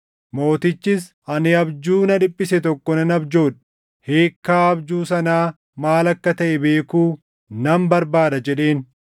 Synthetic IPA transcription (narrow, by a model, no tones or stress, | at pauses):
mo̞ːt̪ɪt͡ʃːɪs | ɐnɪɐbd͡ʒuːnɐᶑɪpʼːɪsɛt̪ɔkːɔnɐnɐbd͡ʒo̞ːᶑ | he̞ːkːaːɐbd͡ʒuːsɐnaː | maːlɐkːɐt̪ɐʔɛbe̞ːkuː | nɐmbɐɾbaːd̪ɐd͡ʒɛɗe̞ːn